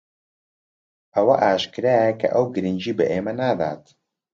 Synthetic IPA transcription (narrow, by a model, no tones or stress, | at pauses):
ʔɐwɐʔaːʃkɨɾaːjakɐ̰ʔɐwɡɨɾɨnʲd͡ʒiːbɐʔeːmɐnad̪a̰ːt̪